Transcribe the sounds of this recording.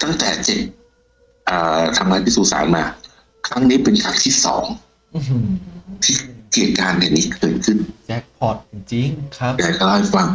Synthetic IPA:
t̪a˥˩ŋt̪ɛː˨˩t͡ɕe˨˩t̪̚ | ʔɤː˨˩t̪ʰa˧ŋaː˧˥˩pʰiː˥˩suː˨˩sa̰ː˩˦nmaː˧ | kʰɾa˦˥ŋniː˦˥pe˧nkʰɾa˦˥ŋt̪ʰiː˥˩sɔ̰ː˩˦ŋ˨ | t̪ʰiː˥˩keː˨˩t̪̚kaː˧nja˨˩ŋniː˦˥kɤː˨˧jt̪̚kʰɯ˥˩nt͡ɕɛ˦˥k̚pʰɔ˨˩t̪̚i˧˩ŋt͡ɕi˧ŋkʰja˧˩jkʰa˧˥˩lɔː˥˩jfa˧ŋ

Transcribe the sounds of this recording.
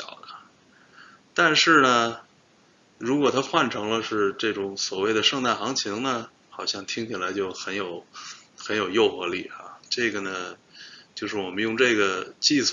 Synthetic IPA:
ɑ˨˩ʊd̪ə˦ | t̪a˥˧nʂɻ̩˥˩nə˩ | ɻu˧˥kwɔ˨˩t̪ʰa˥xwa˥˩nʈ͡ʂʰɤ˧˥ŋlə˧ʂɻ̩˥˧ʈ͡ʂɤ˥˩ʈ͡ʂʊ˧˥ŋswɔ˨˩we˥˩ɪd̪ə˩ʂɤ˥˧ŋt̪a˥˩xɑ˧˥ŋt͡ɕʰi˧˥ŋnə˧ | xɑ˨˩ʊɕjɑ˥˩ŋt̪ʰi˥ŋt͡ɕʰi˨˩la˧˥ɪt͡ɕjo˥˩ʊxə˧˥njo˨˩˦ʊxə˧˥njo˨˩ʊjo˥˩ʊxɤ˧˥lḭ˨˩a̰˧ʈ͡ʂɤ˥˩ɡə˩nə˩t͡ɕjo˥˧ʊʂɻ̩˥˩wɔ˨˩mə˦njʊ˥˧ŋʈ͡ʂɤ˥˩ɡə˩t͡ɕi˥˧s

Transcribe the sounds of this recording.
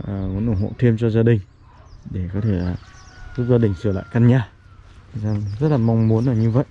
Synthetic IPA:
ʔə˨˩mu˨˦nʔu˧˩nɦo̰˧˨t̪ʰe˧mt͡ɕɔ˧zaː˧ɗï˨˩ŋ̟ | ɗe˧˩kɔ˨˦t̪ʰe˧˩laː˨˩zu˦˥k̚zaː˧ɗï˨˩ŋ̟sɨ˧˩əla̰ː˧˨jkaː˧nɲaː˧˩˨ | zaː˧zə˦˥t̚laː˨˩ma˧wŋ͡mmu˨˦ənʔəː˨˩ɲɨ˧və̰˧˨jʔ

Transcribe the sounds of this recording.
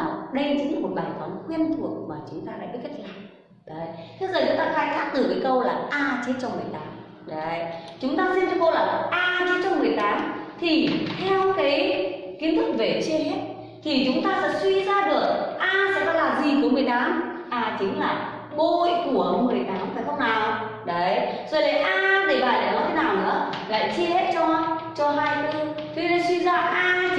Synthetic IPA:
a˨˩wɗə˧jt͡ɕɨ˨˦ŋː˨˩mo˨˩t̚ɓaː˨˩fɔ˨˦nxwi˧ənt̪ʰu˨˩ək̚maː˨˩t͡ɕʊ˨˦ŋ͡mt̪aː˧ɗa̰ː˧˥jɓi˦˥əkə˦˥t̚laː˨˩ŋ | ɗo˨˩jt̪ʰe˧zəː˨˩t͡ɕʊ˨˦ŋ͡mt̪aː˧xaː˨˦jkaː˦˥k̚t̪ɨ˨˩kəː˨˦jkə˧wlaː˨˩ʔaː˧t͡ɕe˦˥t̚t͡ɕɔ˧wŋ͡mmɨ˨˩əjɗ̪aː˨˦m | ɗo˨˩jt͡ɕʊ˨˦ŋ͡mt̪aː˧si˧nt͡ɕɔ˧ŋ͡mko˧laː˨˩ʔaː˧t͡ɕe˧˦˥t̚t͡ɕɔ˧wŋ͡mmɨ˨˩əjtɗ̪aː˨˦mt̪ʰi˨˩t̪ʰɛ˧wkaː˨˦jki˨˦ənt̪ʰɨ˦˥k̚ve˨˩t͡ɕe˧ɦe˦˥t̚ | t̪ʰi˨˩t͡ɕʊ˨˦ŋ͡mt̪aː˧sɛ̰˧˥swi˧zaː˧ɗɨ˨˩ək̚ʔaː˧sɛ̰˧˥kɔ˨˦laː˨˩zi˨˩ku˧˩əmɨ˨˩əjɗaː˨˦mʔaː˨˩t͡ɕɨ˨˦ŋ̟laː˨˩ | ɓo˧jku˧˩əmɨ˨˩əjɗaː˨˦mfʰaː˨˩xə˧wŋ͡mnaː˨˩w | ɗə˨˦jzo˨˩jɗe˨˦jʔaː˧ɗe˧˩vaː˨˩ɗe˧˩nɔ˨˦t̪ʰe˨˦naː˨˩wnɨ̰˧˥əla̰ː˧˨jt͡ɕi˧əhe˦˥t̚t͡ɕɔ˧t͡ɕɔ˧ɦaː˧jkɨ˧t̪ʰi˧na˧swi˧zaː˧ʔaː˧

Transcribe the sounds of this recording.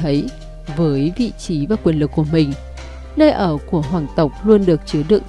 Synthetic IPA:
ə˨˦j | vəː˨˦jvḭ˧˨t͡ɕi˨˦vaː˨˩kwi˨˩ənlɨ˨˩kːku˧˩əmï˨˩ŋ̟ | nəː˧jʔəː˧˩ku˧˩əɦwaː˨˩ŋt̪ə˨˩wk͡p̚lu˧ənɗɨ˨˩ək̚t͡ɕɨ˨˦əɗɨ̰˧˨ŋ

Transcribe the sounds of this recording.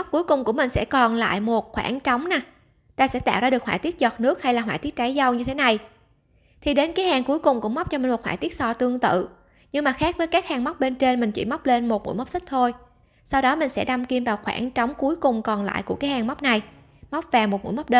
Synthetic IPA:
wk͡p̚ku˨˦jkʊ˨˩ŋ͡mku˧˩əmï˨˩ŋ̟sɛ̰˧˥kɔ˨˩nla̰ː˧˨jmo˨˩t̚xwa̰ː˧˩nt͡ɕɔ˨˦wŋ͡mnaː˨˩ | t̪aː˧sɛ̰˧˥t̪a̰ː˧˨wzaː˧ɨ˨˩ək̚hwaː˧˨t̪i˦˥ət̚zɔ˨˩t̚nɨ˦˥ək̚ha˧jlaː˨˩ɦwaː˧˨jt̪i˦˥t̚t͡ɕa˨˦jza˧wɲɨ˧t̪ʰe˨˦na˨˩j | t̪ʰi˨˩ɗe˨˦nkaː˨˦jhaː˨˩ŋku˨˦jkʊ˨˩ŋ͡mkṵ˧˩əm˦˥wk͡p̚t͡ɕɔ˧mi˨˩ŋ̟mo˨˩t̚hwaː˧˨jt̪i˦˥ət̚sɔ˧t̪ɨ˧əŋt̪ɨ̰˧˨ | ɲɨ˧ŋmaː˨˩xaː˦˥k̚vəː˨˦jkaː˦˥k̚haː˨˩ŋma˦˥wk͡p̚ɓe˧nt͡ɕe˧nmï˨˩ŋ̟t͡ɕḭ˧˩ma˦˥wk͡p̚le˧nmo˨˩t̚mṵ˧˥˨jma˦˥wk͡p̚si˦˥k̚t̪ʰo˧j | sa˧wɗɔ˨˦mï˨˩ŋ̟sɛ̰˧˥ɗa˧mki˧əmvaː˨˩wxwa̰ː˧˩nt͡ɕɔ˨˦wŋ͡mku˨˦əjkʊ˨˩ŋ͡mkɔ˨˩nla̰ː˧˨jku˧˩əkaː˨˦jhaː˨˩ŋma˦˥wk͡p̚na˨˩j | ma˦˥wp̚vaː˨˩mo˨˩t̚mṵ˧˥jm˦˥k͡p̚ɗe˧

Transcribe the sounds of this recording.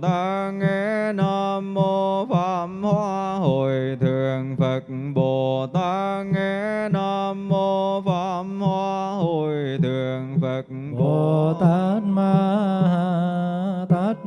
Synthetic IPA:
t̪aː˧˦˥ŋɛ˧˥naː˧mːo˧faː˧˥mhwaː˧ɦo˧˨˩jt̪ʰɨ˨˩əŋfə˨˩t̚ | ɓo˨˩t̪aː˧˦˥ŋɛ˧˥naː˧mːo˧faː˧˥mhwaː˧ɦo˧˩jt̪ʰɨ˨˩əŋfə˨˩t̚ | ɓo˨˩t̪a˦˥t̚maː˧ha | t̪a˦˥t̚

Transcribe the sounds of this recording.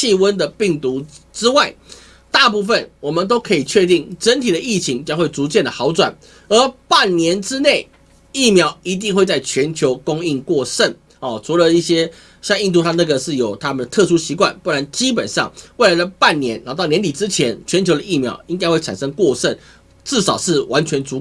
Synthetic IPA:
i˥˧wə˦˥nd̪ə˨pi˥˩ŋt̪u˧˥ʈ͡ʂɻ̩˥wa˥˩ɪ | t̪a˥˧p̬u˥˩fə˨˩nwɔ˨˩mə˨˦nt̪̬o˥ʊkʰɤ˧˥i˨˩t͡ɕʰɥɛ˥˧t̪̬i˥˩ŋʈ͡ʂə˧˦˥nt̪ʰi˨˩d̪ə˩i˥˩t͡ɕʰi˧˥ŋt͡ɕjɑ˥ŋxwe˥˩ɪt͡su˧˥t͡ɕjɛ˥˩nd̪ə˩xɑ˧˥ʊt͡swa̰˨˩n | ə˞˧˥pa˥˩nnjɛ˧˥nʈ͡ʂɻ̩˥ne˥˩ɪ | i˥˩mjɑ˧˥ʊi˧˥t̪̬i˥˧ŋxwe˥˧ɪt͡sa˥˩ɪt͡ɕʰɥɛ˧˦˥nt͡ɕʰjo˧˥ʊkʊ˥ŋi˥˧ŋkwɔ˥˧ʂə˥˩n | ɔ˨˩t͡sʰu˧˥lə˨i˥˩ɕjɛ˥ | ɕjɑ˥˧ŋi˥˧nt̪u˥˧t̪ʰa˥na˥˩ɡə˩ʂɻ̩˥˩jo˨˩ʊt̪ʰa˥mə˨nd̪ə˩t̪ʰɤ˥˧ʂu˥ɕi˧˥kwa̰˥˩npu˥˩a˧˥nt͡ɕi˥p̬ə˨˩nʂɑ˥˨ŋwe˥ɪla˧ɪd̪ə˧pa˥˩nnjɛ˧˥n˧˥t̪ɑ˥˩ʊnɛ˧˥nt̪i˨˩ʈ͡ʂɻ̩˦˥t͡ɕʰjɛ˧˦nt͡ɕʰɥɛ˧˥nt͡ɕʰjo˧ʊd̪ə˧˩i˥˩mjɑ̰˧˥ʊi˥ŋka˥ɪxwe˥˩ɪʈ͡ʂʰa˨˩nʂɤ˥ŋkwɔ˥˧ʂə˥˩n | ʈ͡ʂɻ̩˥˩ʂɑ˨˩ʊʂɻ̩˥˩wa˧˥nt͡ɕʰɥɛ˧˥nt͡su˧˥

